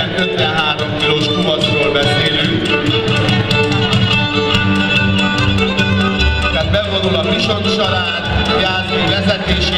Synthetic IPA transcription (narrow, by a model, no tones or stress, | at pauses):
ɛnʔøt̪vɛɦaːɾomkiloːʃkuɦɒt̪roːlbɛseːlyŋk | ɛbɛvonulɒviʃonʃɒɾaːt̪jaːzoivɛzɛt̪eːʃ